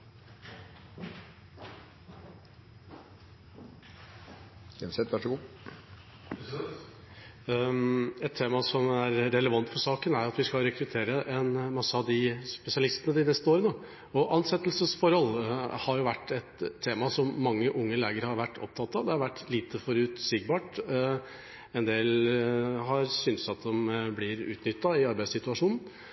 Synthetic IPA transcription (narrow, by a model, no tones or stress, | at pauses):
ɛnsɛt̪ʋæʂɔɡuː | ɛt̪ʰːeːmɑsɔmæɾːɛləʋɑnt̪fɔɾʂɑːkənæɾjʊɑt̪ʋɪskɑlɾɛkɾʉt̪ʰeːɾəʔɛnmɑsːəɑʋd̪ɪspɛsɪɑlɪst̪ənəd̪ɪnɛst̪əoːɾənoː | ɔʔɑnsɛt̪ːlsəsfɔɾhɔlhɑɾjʊʋæʈːɛt̪ʰːeːmɑsɔmːɑŋːəʔʊŋːəleːɡəɾhɑɾʋæʈːɔ̰p̚t̪ʰɑt̪ːɑʋd̪ɛhɑɾʋæʈːliːt̪ʰəfɔɾʉːt̪sʏɡ̚bɑːʈ | ɛnd̪eːl | ɦɑɾsʏnsɑt̪̚d̪ɔmblɪɾʉ̰ːt̪nʏt̪ːɑɪɑɾbæɪsɪt̪ʉɑʂuːnn̩